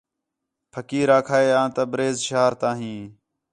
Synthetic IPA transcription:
pʰəkiːɾaːkʰaːeːãːt̪əbɾeːzʃaːɾt̪ãːɦĩː

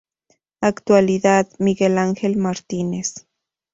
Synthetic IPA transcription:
akt̪waliðaðmiɡelaŋxelmaɾt̪ines

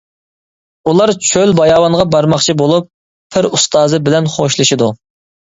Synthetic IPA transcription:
ulˠɑɾt͡ʃʰølbɑjɑːwɑŋʁɑbɑɾmɑχt͡ʃʰibolˠupʰː | ɪɾust̪ɑːzɨbɪlɛnχoʃlˠɨʃid̪u

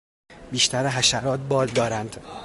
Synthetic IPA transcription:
biːʃt̪æɾeɦæʃæɾɒːt̪̚bɒːld̪ɒːɾænd̪̥

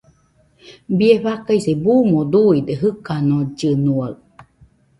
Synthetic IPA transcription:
bieɸakaisebumod̪uid̪eɦɨkanod͡ʒɨnuaɨ

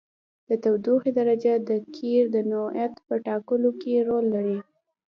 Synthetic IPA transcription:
d̪̥ət̪awd̪uxed̪aɾad͡ʒad̪əkʰiɾd̪ənojat̪pəʈɑkəlokeɾolːaɾi

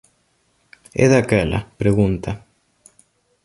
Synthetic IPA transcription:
ɛ̰ðakɛla̰pɾeɣunt̪ʰɐ

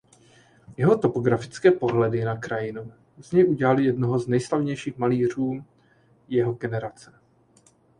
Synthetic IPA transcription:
jɛɦo̞t̪o̞po̞ɡɾafɪ̥t͡skɛːpo̞ɦlɛdɪnakɾajɪnu | z̥ɲɛjʔuɟɛlalɪjɛdnoɦo̞znɛjslavɲɛjʃiːxmaliːr̝uː | jɛɦo̞ɡɛnɛɾat͡sɛ

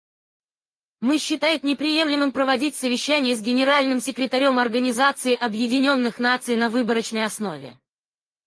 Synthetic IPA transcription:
mɨɕːɪt̪ajʊt̪nʲɪpɾʲɪje̞mlʲɪmɨmpɾəvɐdʲitʲsəvʲɪɕːænʲɪjəzɡʲɪnʲɪɾalʲnɨmsʲɪkɾʲɪt̪ɐɾʲo̞mɐrɡənʲɪzat̪sɨɪʔɐbjɪdʲɪnʲo̞nːɨxn̪at̪sɨjɪnɐvɨbəɾət͡ɕnəjɐsno̞vʲɪ̰

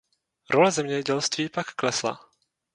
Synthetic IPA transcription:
ɾolɛzɛmɲɛɟɛlst̪viːpakːlɛsla̰

